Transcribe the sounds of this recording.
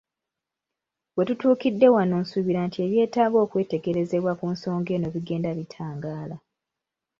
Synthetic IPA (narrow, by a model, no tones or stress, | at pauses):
we̞tutuːkidːe̞wanoːnsuβiɾaːntʰie̞βje̞ːtaːβo̞ːkwe̞ːte̞ɡe̞ɾe̞ze̞βwakunso̞ːŋɡe̞no̞βiɡe̞ːndaβitʰaːŋɡaːla